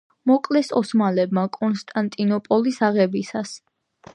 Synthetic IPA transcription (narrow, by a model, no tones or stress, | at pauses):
mɔkʼlɛsɔsmalɛbmakʼɔnst̪ʼant̪ʼinɔpʼɔlisaʁɛbisas